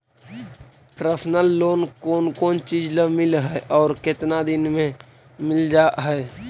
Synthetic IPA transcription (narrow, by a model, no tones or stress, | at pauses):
pɾəsnəlːoːnkoːnkoːnt͡ʃiːd͡ʒləmɪlɦɛʔɔːɾkɪt̪nad̪ɪnmẽ | mɪld͡ʒaːʔɦɛe